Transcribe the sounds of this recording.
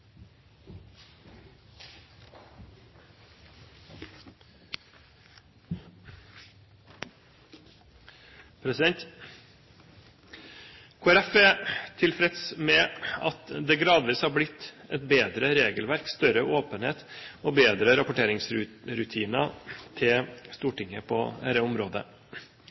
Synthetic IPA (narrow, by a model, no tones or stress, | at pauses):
pʰɾɛsɪd̪ɛnt̪ | kʰoːæɾɛfɛt̪ʰɪlfɾɛt̪smɛɑt̪d̪eːɡɾɑːd̪ʋiːshɑːɾblɪt̪ɛt̪̚beːd̪ɾəɾeːɡəlʋæɾkst̪œɾəʔoːpənheːt̪oːbeːd̪ɾəɾɑpʊʈeːɾɪŋsɾʉɾʉt̪ʰiːnət̪ʰɪst̪uːʈɪŋəpʰɔæɾəʊmɾoːd̪ə̰